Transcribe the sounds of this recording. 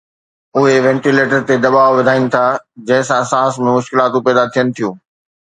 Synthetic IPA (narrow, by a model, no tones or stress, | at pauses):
ʊɦeʋɛ̃ːɳʈileːʈəɾt̪ed̪ɐbaːʊʋɪd̪ʱaːinɪ̆t̪ʰaːd͡ʑɐ̃ɦɪ̃sãsãːsmẽmʊʃkɪlaːt̪õpɛːd̪at̪ʰijənɪ̆t̪ʰijũː